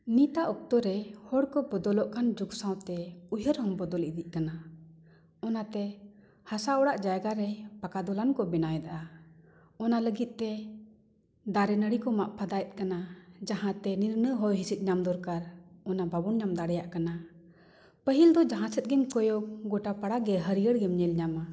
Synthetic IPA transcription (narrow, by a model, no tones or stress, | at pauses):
nit̪aʔɔk̚t̪ɔɾɛhɔɽkɔbɔd̪ɔlɔʔkand͡ʒuksãwt̪ɛujəɾhɔmbɔd̪ɔlid̪iʔ̚kana | ɔnat̪ɛ | hasaɔɽaʔd͡ʒajɡaɾɛpakad̪ɔlankɔbɛnajd̪aʔa | ɔnaləɡit̪̚ˀt̪ɛ | d̪aɾɛnəɽikɔmaʔpʰad̪ajt̪̚ˀkanad͡ʒaɦãt̪ɛniɾnəɦɔjɦisit̪̚ˀɲamd̪ɔɾkaɾɔnababɔnɲamd̪aɽɛjaʔkana | pəɦild̪ɔd͡ʒaɦãsɛt̪̚ˀɡɛmkɔjɔkɡɔʈapaɽaɡɛɦəɾijəɽɡɛmɲɛlɲama